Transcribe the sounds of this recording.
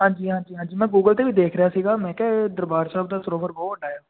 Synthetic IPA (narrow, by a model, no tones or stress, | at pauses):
ɦãːɲd͡ʒiːɦãːnd͡ʒiːɦãːnd͡ʒiːmɛ̃ːɡuːɡəlt̪eːʋiːd̪eːkʰɾəjaːsiːɡaːmɛ̃ːkɛːd̪əɾbaːɾsaːbd̪aːsəɾoːʋəɾbɔːəɖaːjaː